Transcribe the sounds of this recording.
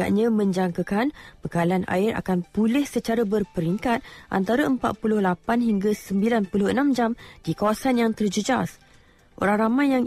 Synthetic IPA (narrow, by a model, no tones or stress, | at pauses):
a̰ʔɲãmə̃ɲd͡ʒaŋkakanbəkalana̰ɪɾa̰kanpulɛhsət͡ʃaɾabərpəɾiŋkat̪̚ʔa̰nt̪aɾaəmpa̰t̪̚pulʊhlapanɦiŋɡasəmbilanpulʊhənãmd͡ʒamd̥ikawasanjaŋt̪ərd͡ʒəd͡ʒas | ʔo̰ɾaŋramãjːaŋ